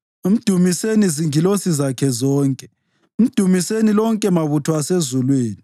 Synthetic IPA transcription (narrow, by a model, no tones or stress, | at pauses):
im̩d̥ʱumiseniziŋilosizakʰɛzɔːŋkʼɛ̥ | im̩d̥ʱumisenilɔŋkʼɛmaβutʰɔasezulweːni